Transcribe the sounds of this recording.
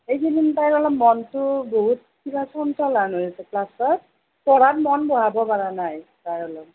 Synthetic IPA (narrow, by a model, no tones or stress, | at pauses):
ejkʰinintajɹɔlɔmmɔntʊboɦut̚kʰibasɔnsɔlanojasɛklasɔt̚ | pɔɹanmɔnbɔɦabɔpaɹanajtajɹɔlɔm